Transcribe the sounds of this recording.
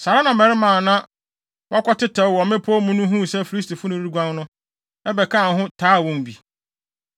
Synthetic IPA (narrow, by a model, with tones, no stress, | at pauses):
sa˨ɾa˦nã˨mɛ˨ɾɪ˦mãː˨nã˦ | wʔa˦kʷʰɔ˦tɪ˦tʰɛ˨wɔ˨mɪ̃˦pʰɔ˦mũ˦nũ˦ɦũ˦˨sɛ˦fi˨ɾi˦stʰi˨fʊ˦nʊ̃˦ɾu˦ɡʷã˦ŋnʊ̃˦ | ɛ˦bɛ˨kʰa˦˨n˨ɦʊ̃˦tʰaː˨˦˨wɔ̃˨m̩˨bi˨